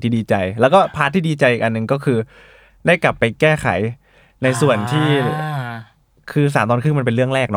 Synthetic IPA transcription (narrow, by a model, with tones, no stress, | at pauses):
t̪ʰiː˥˩diː˧t͡ɕa˧jlɛː˦˥wkɔː˥˩pʰaː˦˥t̪ʰːiː˥˩diː˧t͡ɕa˧jʔiː˨˩k̚ʔa˧nːɯ˨˩ŋkɔː˥˩kʰɯː˧ | da˥˩jkla˨˩pːa˧jkɛː˥˩kʰa̰˨˩˦j | na˧jsu˨˩ənt̪ʰiː˥˩ | kʰɯː˧˥˧s̬aː˩˦mt̪ɔː˧nkʰɯ˥˩ŋma˧npe˧nɾɯ˥˩əŋɾɛː˥˩k̚nɔ˦˥